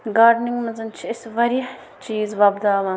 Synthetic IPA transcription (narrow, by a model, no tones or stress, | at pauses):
ɡaːɖniŋɡmɐnzɐnt͡ʃʰiɪsʋɐɾiħ | t͡ʃiːzʋɐbd̪aːmɐ